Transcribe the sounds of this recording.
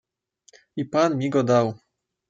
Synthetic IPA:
ipanmʲiɡɔd̪aw

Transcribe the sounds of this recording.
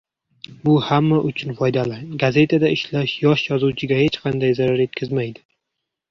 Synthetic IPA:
bʊhamːaʔʊt͡ʃʰʊnfɒjd̪alɪɡaze̞t̪ʰad̪aʔɪʃlaʃjɒʃjɒzuwt͡ʃʰɪɡʲahe̞t͡ʃqʰɑnd̪ajzaɾaɾe̞t̪̚kʲʰɪzmajd̪ɪ

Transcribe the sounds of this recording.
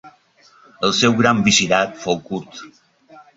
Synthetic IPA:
əlˠsɛwɣɾambiziɾat̪fowkuɾt̪

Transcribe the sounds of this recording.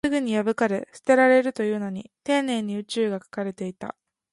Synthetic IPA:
ɨɡɯ̟ɲ̟ijabɯ̟kaɾe̞sɨ̥t̪e̞ɾaɾe̞ɾɯ̟t̪o̞jɯ̟ːno̞ɲ̟it̪ẽ̞ːnẽ̞ɲ̟ːiɯ̟t͡ɕɨːɡakḁkaɾe̞t̪e̞it̪a̰

